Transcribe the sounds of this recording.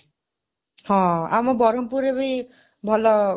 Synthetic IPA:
hɔ̃a̰mɔbɔɾɔmpuɾebij | bʱɔlɔ

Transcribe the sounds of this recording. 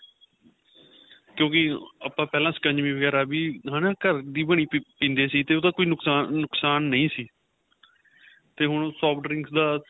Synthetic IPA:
kjõːkɪaːpãːpɛːlãːsə̥kə̃ɲd͡ʒmĩːʋəɡɛːɾaːbiːɦãːnaːkəɾd̪iːbəɳ̃iːpĩːnd̪eːsiːt̪eːoːd̪aːkoːiːnʊksaːʊksaːnːəĩːsiː | t̪eːɦʊɳsɔːpʰɖɾɪ̃ŋɡsd̪aː

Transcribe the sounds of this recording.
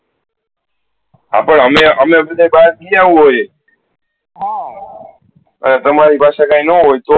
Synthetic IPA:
a̰pəɳɦəmẽəmebəd̪ʱajbaɾ̚kijaʋũɦoj | ɦa | ə̰net̪əmaɾipaʃakãĩnəɦojt̪o

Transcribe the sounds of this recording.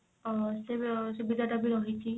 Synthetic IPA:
sesubid̪ʱaʈabʱiɾɔɦit͡ʃʰi

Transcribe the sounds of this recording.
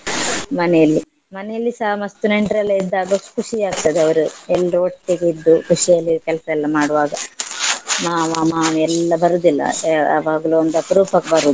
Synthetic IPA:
mɐnɛjɐlːi | mɐnɛjɐlːisɐɦɐmɐst̪uneɳʈɾɐlːɐid̪ːaːɡɐkʰuʂiaːɡ̚t̪ɐd̪eɐʋɐɾuɛlːɐɾuoʈːiɡeid̪ːukuʂijɐlːikɛlɐsɐɛlːɐmaːɽuʋaːɡɐ | maːmaːmaːɛlːɐbɐɾud̪ilːɐ̰ɐʋaːɡɐluond̪ɐpɐɾuːpʰɐkbɐɾud̪u

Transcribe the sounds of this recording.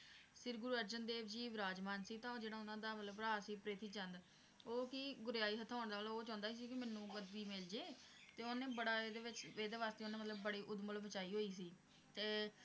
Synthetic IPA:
sɪɾɡʊɾuːəɾd͡ʒənd̪eːʋd͡ʒiːʋɾaːd͡ʒmaːnsiːt̪ãːd͡ʒeːɽaːʊnãːd̪aːmət̪ləbɾaːsiːpɾeːt̪iːt͡ʃənd̪ | oːkɪɡʊɾjaːiːɦət̪ʰːaːʊɳd̪aːloːt͡ʃãːnd̪aːiːs̬iːkɪmɛːnːũːɡəd̪biːmɪld͡ʒeːt̪eːonẽːbəɽaːeːd̪eːʋɪt͡ʃeːd̪eːʋaːst̪eːonẽːmət̪ləbːəɽiːʔʊd̪məlʋət͡ʃaːiːɦoːiːs̬iː | t̪eː

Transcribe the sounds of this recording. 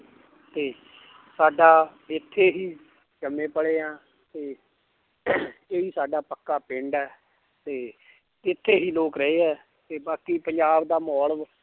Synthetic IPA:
t̪eː | saːɖaː | ɪt̪ʰːeːɦiː | d͡ʒəmẽːpəɽeːãː | t̪eː | eːiːsaːɖaːpəkːaːpɪ̃ɳɖɛː | t̪eː | ɪt̪ʰːeːɦiːloːkɾəeːɦɛː | t̪eːbaːkiːpəɲd͡ʒaːbd̪aːmɔːɭəʋ

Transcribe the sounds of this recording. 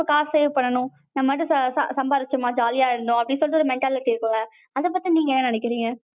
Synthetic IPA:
ɐkaːseːʋpɐɳːɐnʊ̃ | nɐmːɐʈ̪ːɯssɐ̰sɐmbaːɾɪt͡ʃːɐmaːd͡ʒaːlɪjaːɪɾɯnd̪ʊ̃ɐpːɐɽɪsɔlːt̪ːɯɔɾɯmɛɳʈaːlɪʈiɪɾɯkːɯŋɡɐ | ɐðɐp̬ːɐt̪ːiniːŋɡɐɛnːɐnɐɳɪk̬ːɪɾiːŋɡɐ

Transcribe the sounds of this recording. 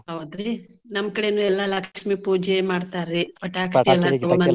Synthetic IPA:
ɐwd̪ɾi | nɐmɐkɐɽenuːɛlːalaːkʂmipuːd͡ʒemaːɖt̪aːɾibɐʈːaːkʂʈiɛlːaɐmɐn

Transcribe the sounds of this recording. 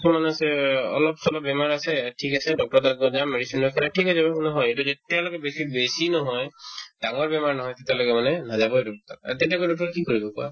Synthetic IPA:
sumanasɛɔ̰lɔpsɔlɔbɛmaɹasɛʈʰikasɛdɔk̚tɔɹɔt̪aɔd͡ʒameɽisinɔkʰaɾaʈʰikɔjsɔbanɔɦɔjetuetialɔkɛbesibesinɔɦɔjd̥aŋɔɹbɛmaɹnɔɦɔjt̪et̪alɔkɛmanɛnazabɔedɔkɔt̪aa̰t̪etiakojdɔk̚ʈɔɹkikːoɹibɔkua̰

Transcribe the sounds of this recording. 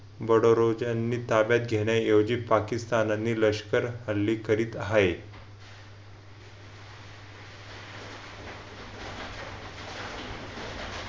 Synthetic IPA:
bəɽoɾod͡ʑanːiːt̪abjat̪̚ɡʱeɽjajowd͡ʑiːpakist̪ananːiːləɕkəɾhəlːiːkəɾiːt̪ɦae

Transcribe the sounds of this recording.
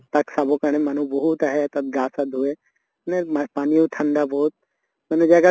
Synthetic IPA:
t̪ɐksaːbokɐɽ̃ẽmãːn̤ũbɐɦut̪aɦet̪ɐɡaːsad̪ʱue | nempaːnijũt̪ʰɐ̃nd̪abɔːʊt̪̚ | mɐnũd͡ʒaːɡa

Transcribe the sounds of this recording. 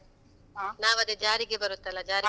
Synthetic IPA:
naːʋɐd̪ed͡ʒaːɾiɡebɐɾut̪ːɐlːɐd͡ʒaːɾi

